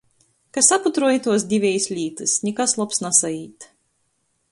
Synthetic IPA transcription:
kasaput̪ɾuɔjit̪uɔs̬d̪ʲivʲɛjsʲlʲiːt̪ɨsnʲɛkaslˠɔpsnasajiːt̪

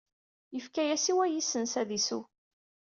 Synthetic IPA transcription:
jəfkæjæsiwæjisənsæðisu

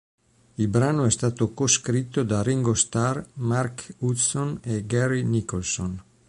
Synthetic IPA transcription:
ilbɾanoɛst̪at̪okoskɾit̪od̪ariŋɡost̪aɾmaɾkut̪soneɡɛɾinikolson

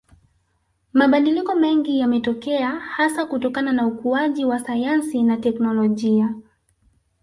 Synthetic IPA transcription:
maɓaɗilikɔmɛŋɡijamɛtɔkɛahasakutɔkananaukuaʄiwasajansinatɛknɔlɔʄia

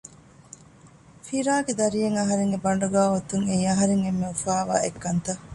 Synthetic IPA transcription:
fiɾaːɡed̪ɐɾijeŋɐɦɐɾeŋɡebɐɳɖuɡaːot̪uŋeiɐɦɐɾeŋemːeufaːʋa̰ːekːɐnt̪ɐ

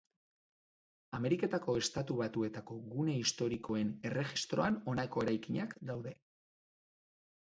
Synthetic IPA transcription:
ame̞ɾike̞t̪ako̞e̞st̪at̪uβat̪ue̞t̪ako̞ɣune̞ist̪o̞ɾiko̞e̞ne̞re̞xist̪ɾo̞ano̞nako̞e̞ɾajkiɲakd̪awðe̞

